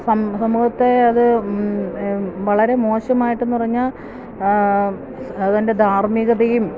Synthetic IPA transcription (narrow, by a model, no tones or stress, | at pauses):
sɐmsɐmuhɐt̪ːe̞ɐðɨ | ʋɐɭɐɾe̞mo̞ːɕɐmaːjiʈːe̞nːupɐriɲːaːl | ɐðɐnde̞d̪ʱaːrmiɣɐðɐjum